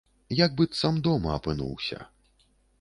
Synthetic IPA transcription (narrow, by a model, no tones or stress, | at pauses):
jaɡ̚bɨt̪samd̪ɔmɐɐpɨnṵwsʲɐ̰